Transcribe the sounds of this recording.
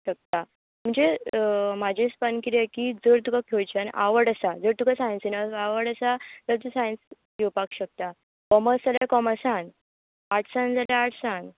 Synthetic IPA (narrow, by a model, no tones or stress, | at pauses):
ɕək̚t̪a | m̤əɳd͡zemad͡ʑʱespənkiɾiakid͡zəɾt̪ukakʰewt͡ɕʰənʔa̰ʋəɽəsad͡zəɾt̪ukasajnsinəaʋəɽəsat̪əɾt̪̬usajnskʰewpakɕək̚t̪a | kɔməsd͡zalakɔməsãn | aʈʰsãnd͡zaljaːʈʰsãn